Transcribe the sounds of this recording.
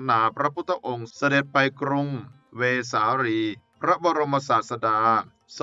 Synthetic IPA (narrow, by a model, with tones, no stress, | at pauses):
naː˩˦pɾa˦˥pʰu˦˥t̪ʰːa˧ʔo˧ŋsa˧de˨˩t̪̚pa˧jkɾu˧ŋ | weː˧saː˩˦ɾiː˧pʰɾa˦˥bɔː˧ɾo˧mːa˧saː˨˩t̪̚sa˧daː˧ | s